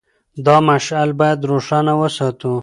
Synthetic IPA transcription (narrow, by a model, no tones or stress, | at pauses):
d̪ɑmaʃalbɑjad̪ɾoʂɑnawəsɑt̪u